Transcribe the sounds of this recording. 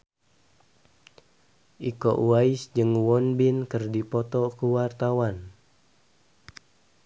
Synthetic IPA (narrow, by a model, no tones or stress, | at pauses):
ʔikɔ̰ʔuaisd͡ʒɨŋwɔnbinkɨrdipɔt̪ɔkuwart̪awan